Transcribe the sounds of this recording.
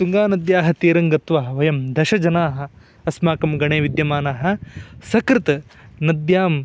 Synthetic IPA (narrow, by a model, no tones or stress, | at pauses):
t̪uŋɡaːnɐd̪jaːɦɐ̆t̪iːɾɐŋɡɐt̪ʋaɦɐʋɐjɐmd̪ɐʃɐd͡ʒɐnaːɦɐ̆ | ɐsmaːkɐmɡɐɳeːʋid̪jɐmaːnaːɦɐ̆sɐkɾɪt̪ɐnɐd̪jaːm